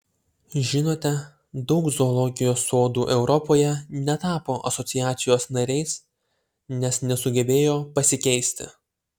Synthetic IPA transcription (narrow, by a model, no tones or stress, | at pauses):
ʒʲɪnoːt̪ʲɛ | d̪ɒʊkzɔːlˠɔɡʲɪjoːsoːd̪uːʔɛʊɾɔpoːjɛnʲɛt̪ɑːpoːʔɐsɔt̪sʲɪjæːt̪sʲɪjoːsnɐɾʲɛɪs | nʲɛsnʲɛsʊɡʲɛbʲeːjoːpɐsʲɪkʲɛɪsʲt̪ʲɪ̰